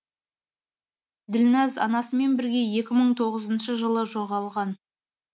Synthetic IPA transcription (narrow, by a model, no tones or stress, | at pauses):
d̪ɪlnɑzɑ̰nɑsəme̞nbɪɾɡʲe̞je̞kʲɪməɴt̪ʰo̞ʁəzənʃəʒəlˠəʒoʁɑlˠʁɑn